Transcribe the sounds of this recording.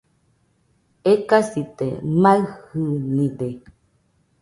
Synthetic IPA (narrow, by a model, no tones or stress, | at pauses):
ekasit̪ḛmaɨhɨnĩde